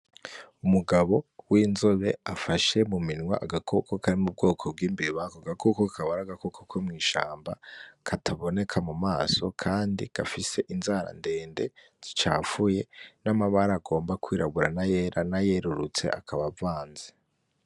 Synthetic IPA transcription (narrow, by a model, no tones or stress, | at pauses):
umuɡaβo̞wiːnzoβe̞afaʃe̞muminwa̰ʔaɡakʰokokaɾimub̚ɡo̞ːkʰo̞b̚ɡiːmbiiβakoɡakʰokokʰaβaɾaɡakokʰokʰomŋiːʃaːmbakʰatʰaβo̞ne̞kʰamumaːso̞̰kʰaːndḭɡ̥afise̞ʔinzaɾa̰nde̞ːnde̞ | z̥it͡ʃa̰ːfuje̞namaβaɾaːɡo̞ːmbakʰwiːɾaβuɾanaje̞ɾʔanaje̞ɾuɾut͡se̞̰ʔa̰kʰaβavaːnze